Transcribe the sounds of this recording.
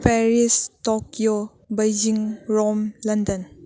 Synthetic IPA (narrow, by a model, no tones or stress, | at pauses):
pʰɛɾistɔkio | bɐjd͡ʒiŋɾɔmlɐndɐn